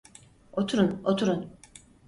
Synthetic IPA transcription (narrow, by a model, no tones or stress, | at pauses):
ot̪ʰuɾunot̪ʰuɾun